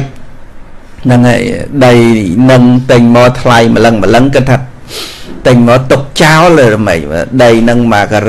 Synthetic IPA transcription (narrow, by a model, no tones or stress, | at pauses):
nɨŋa̰jɗəjnɨŋt̪ɨɲmɔːt̪ʰlajmələŋmələŋkɨt̪ʰːaː | t̪ɨɲmɔːt̪uk̚t͡ɕaɔləːɾəmə̰c̚ʋə̰ɗəjnɨŋmaːkar